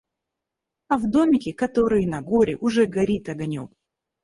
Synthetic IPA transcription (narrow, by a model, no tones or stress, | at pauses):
ɐvd̪omʲɪkʲɪkɐt̪oɾɨjɪnɐɡoɾʲɪ̰ʔʊʐɛɡɐɾʲit̪ɐɡɐnʲo̰m